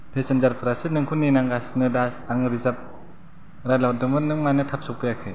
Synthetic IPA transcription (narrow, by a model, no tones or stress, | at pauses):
pʰesenzaɾpʰɯɾasɯnɯŋkʰunːinaŋɡasnɯdaaŋɾizap̚ | ɾajlawdɯmɯnɯmnanɯtʰap̚sɔk̚pɯjakʰɯ